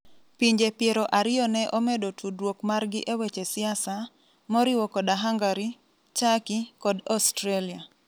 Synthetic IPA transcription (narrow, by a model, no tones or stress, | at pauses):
piɲd͡ʒepjeɾɔʔaɾɪjɔnɛʔɔmɛdotʰudwokmarɡɪʔewɛt͡ʃesɪasa | mɔɾɪwɔkɔdaɦaŋɡaɾi | t͡ʃakikɔdɔstɾalia